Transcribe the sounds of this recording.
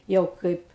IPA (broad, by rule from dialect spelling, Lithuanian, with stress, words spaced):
ˈjɛʊ ˈkɐɪp